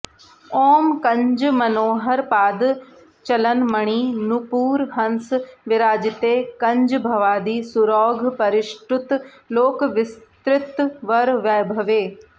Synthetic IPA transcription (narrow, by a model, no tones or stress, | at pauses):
oːmkɐ̃ɲd͡ʒmɐnoːɦəɾpaːd̪ | t͡ʃɐlənmɐɽ̃iːnupuːɾɦɐ̃nsʋɪɾaːd͡ʒɪt̪eːkɐ̃ɲd͡ʒbʱɐʋaːd̪iːsʊɾɔːɡʱpɐɾɪʃʈʊt̪ | loːkʋɪst̪ɾɪt̪ʋɐɾʋaːjbʱɐʋeː